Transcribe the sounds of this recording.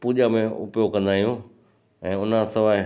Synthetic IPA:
puːʄamẽʊ̰pjokɐ̃nd̪aːijũ | ɛ̃ːʊn̤asɪʋaː

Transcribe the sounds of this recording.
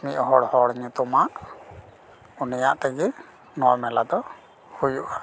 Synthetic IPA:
miʔɦɔɽhɔɽɲut̪ɔmaʔ | unija̰ʔt̪ɛɡi | nɔjmɛlad̪ɔ | hujuʔa

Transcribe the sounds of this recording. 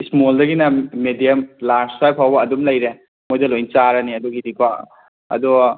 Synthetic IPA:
ismoldɐɡinɐmedijɐmlaɾspajpʰawbɐːdumlɐjɾe | mojdɐlojnt͡ʃaɾɐniɐdoɡidikʰwa | ɐ̰dɔ

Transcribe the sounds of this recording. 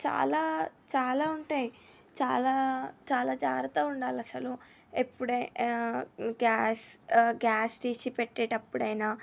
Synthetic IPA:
t͡ʃa̰ːlaːt͡ʃaːlaːuɳʈeːji | t͡ʃa̰ːlaːt͡ʃaːlaːd͡ʒaːɾɐt̪oːuɳɖaːlɐsɐlu | epːuɽɐ | ɡaːsɡaːst̪iːsipeʈːeːʈɐpːuɽɐjnaː

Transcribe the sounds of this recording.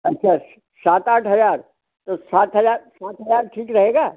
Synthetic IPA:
ɐtːʃʰaːs | saːt̪aːʈʰɦɐzaːɾ | t̪osaːt̪ɦɐzaːɾsaːt̪ɦɐzaːɾʈʰiːkɾɐɦeːɡaː

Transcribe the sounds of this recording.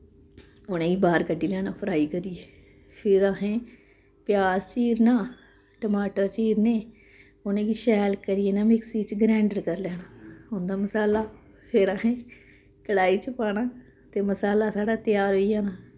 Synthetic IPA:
ʊnẽːiːbaːɾkəɖːiːlɛːnãːpʰəɾaːiːkəɾieː | pʰɪɾaːɦẽː | pjaːzt͡ʃiːɾnaː | ʈəmaːʈəːɾt͡ʃiːɾneː | onẽːkiːʃɛːlkəɾieːnaːmɪksiːt͡ʃɡɾɛ̃ːɳɖəɾkəɾlɛːnaːʊnd̪aːməsaːlaː | pʰɪɾaːɦẽː | kəɽaːiːt͡ʃəpaːnãː | t̪eːməsaːlaːsaːɖaːt̪ɪjaːɾɦoijãːnaː

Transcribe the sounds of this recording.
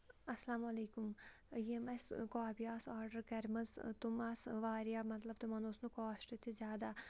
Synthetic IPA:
ɐslaːmɐleːkʊm | jemɐskaːbijaːsaːɾɖəɾkɐɾməzt̪ʊmaːsʋaːɾjaːmɐt̪ləb̚t̪emɐnoːsnukɔːʃʈ̪et̪ʰezjaːd̪aː

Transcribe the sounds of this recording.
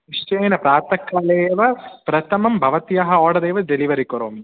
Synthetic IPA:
nɪʂt͡ʃɐːnɐpɾaːɾt̪ɐkːaleːʋɐpɾɐt̪ʰɐmɐmbʱɐʋɐt̪ijaːɦɐɔːɽɐd̪eːʋɐɖɛliʋɐɾikːɔɾo̰ːmi

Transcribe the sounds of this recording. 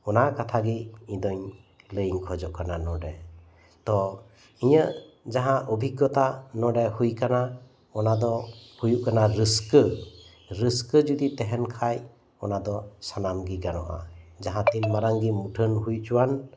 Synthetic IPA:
ɔnakat̪ʰaɡiĩd̪ɔɲ | ləjŋkʰɔd͡ʒɔʔkananɔɖɛ | t̪ɔ | iɲə | d͡ʒaɦãʔɔbʱiɡɔt̪anɔɖɛhujkana | ɔnad̪ɔhujuʔkanaɾɯskə | ɾiskəd͡ʒud̪it̪ɛɦɛnkʰaj | ɔnad̪ɔsanamɡiɡanɔʔa̰d͡ʒaɦãt̪ilmaɾaŋɡimuʈʰənɦujt͡ʃuwan

